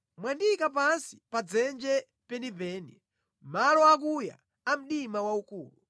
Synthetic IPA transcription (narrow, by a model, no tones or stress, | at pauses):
mwandikapansi̥pad͡zɛnd͡ʒɛ | pɛndipɛːni | malɔak̬uja̰ | am̩ɗimawaukuːlu